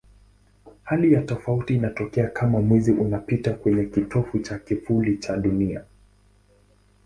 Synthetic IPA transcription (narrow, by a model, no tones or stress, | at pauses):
halijatɔfautiːnatɔkɛakʰamamwɛziʔunapitakwɛɲɛkitʰɔfut͡ʃakifulit͡ʃaɗunia̰